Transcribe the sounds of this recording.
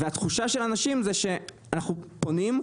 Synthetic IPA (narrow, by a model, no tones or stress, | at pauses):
veat̪χuʃaʃe̞lanaʃimzeʃe̞ | anaχupo̞nim